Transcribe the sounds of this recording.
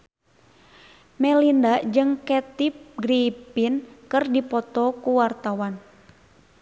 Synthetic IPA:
mɛlindaʔd͡ʒɨŋkɛt̪ip̚ɡɾipinkɨrdipɔt̪ɔkuwart̪awan

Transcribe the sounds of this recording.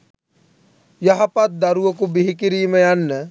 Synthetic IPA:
jɐɦɐpɐt̪̚d̪ɐɾuʋɐkubiɦikiɾiːmejanːə

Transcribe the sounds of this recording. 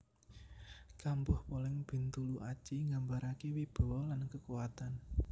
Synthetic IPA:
kambɔhpolɪŋb̥i̤nt̪uluʔḁt͡ʃiŋɡambaɾakewib̥ɔ̤wɔlankəkuwat̪an

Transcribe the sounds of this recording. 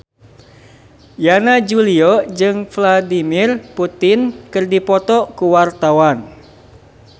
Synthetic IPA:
janad͡ʒuliɔd͡ʒɨŋfladimɪrput̪ɪnkɨrdipɔt̪ɔkuwart̪awan

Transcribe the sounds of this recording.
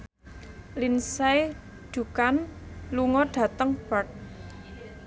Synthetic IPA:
linsɛj | d̥ṳkanluŋɔɖ̥a̤t̪əŋb̥ark̚

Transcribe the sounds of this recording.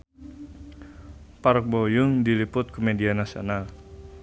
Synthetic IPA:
paɾɔk̚bojʊŋdilipʊt̪̚komedianasio̰nal

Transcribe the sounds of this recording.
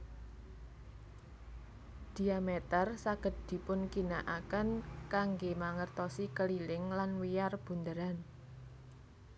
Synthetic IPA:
d̪̥i̤amet̪ərsaɡ̥ə̤t̪̚d̪̥i̤pʊnkinaʔakənkaŋɡemaŋərt̪ɔsikəlilɪŋlanwijarb̥ṳnd̪əɾan

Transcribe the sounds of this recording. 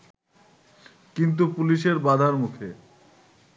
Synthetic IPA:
kint̪̬upuliʃeɾbad̪ʱaɾmukʰe

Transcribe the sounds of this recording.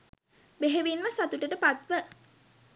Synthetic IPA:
beɦeʋinʋəswat̪uʈəʈəpat̪ʋə

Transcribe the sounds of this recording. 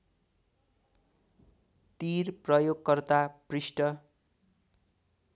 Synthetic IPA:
t̪irprʌjoɡkʌrt̪aprisʈʌ

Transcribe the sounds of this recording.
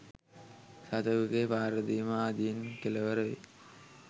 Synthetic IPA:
sat̪əʋuɡeːpaːɾəd̪iməaːd̪ijenkeləʋəɾəʋḛ

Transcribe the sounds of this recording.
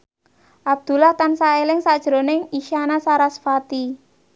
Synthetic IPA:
ʔab̥̚d̪̥ṳlaht̪ansaelɪŋsad̥ʒ̥ɾo̤nɪŋiʃanasaɾasfat̪i

